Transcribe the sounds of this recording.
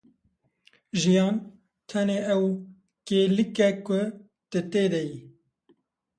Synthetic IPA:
ʒijɑːn | t̪ʰɛneːʔɛw | keːlɨkɛkʊ | t̪ɨt̪eːd̪ɛji

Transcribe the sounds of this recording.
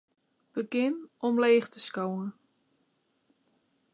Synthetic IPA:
b̥əɡɪnʔɔmleːχtəskowən

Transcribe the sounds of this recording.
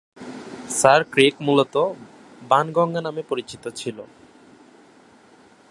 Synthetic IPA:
saɾkɾekmulot̪o | banɡɔŋɡanamepoɾit͡ɕit̪ot͡ɕʰilo

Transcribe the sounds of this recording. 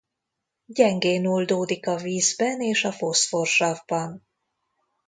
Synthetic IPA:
ɟɛŋɡeːnold̪oːd̪ikɒviːzbɛneːʃɒfo̞sfo̞rʃɒvbɒn

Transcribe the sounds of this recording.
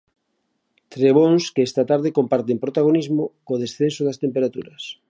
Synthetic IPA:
t̪ɾeβ̞onskeɛst̪at̪aɾð̞ekompaɾt̪̬empɾot̪aɣonizmokoðesθensoðast̪empeɾat̪uɾɐs

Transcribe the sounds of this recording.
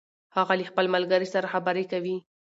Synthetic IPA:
hɑɣalixpəlmalɡaɾisaɾaxabaɾekawi

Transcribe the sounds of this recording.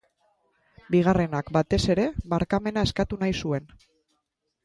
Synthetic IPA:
biɣ̞are̞nakbat̪e̞se̞ɾe̞βaɾkame̞nae̞skat̪unajsue̞n

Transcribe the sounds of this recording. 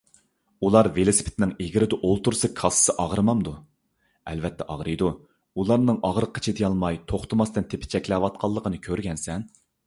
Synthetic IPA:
ulˠɑɾvelˠosɪ̥pʰɪ̥t̪ʰnɪŋeɡʲɪɾɪd̪ɛʔolˠt̪uɾsɨkʰɑsɨ̥sɨʔɑʁɾɨmɑmd̪u | ɛ̰lvɛt̪ʰːɛʔɑ̰ʁɾɨjd̪u | ulˠɑɾnɨŋɑʁɾəqʰːə̥t͡ʃʰid̪ɪjɑlˠmɑjt̪ʰoχt̪ʰɨmɑst̪ɨnt̪ʰepʰɪ̥t͡ʃʰɛkʲlɛwɑt̪̚qʰɑlˠːəqʰənɨkʲʰøɾɡʲɛnsɛn

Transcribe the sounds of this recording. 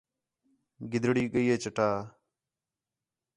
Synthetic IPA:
ɡɪd̪ʱɽiːɠəiːɦeːt͡ʃəʈaː

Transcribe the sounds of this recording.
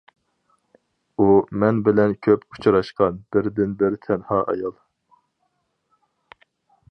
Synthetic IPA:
umɛnbɪlɛnkʲʰøpu̥t͡ʃʰɾɑʃqɑnb̥ɪɾd̪ɪnbɪɾt̪ʰɛnhɑːʔɑ̰jɑlˠ

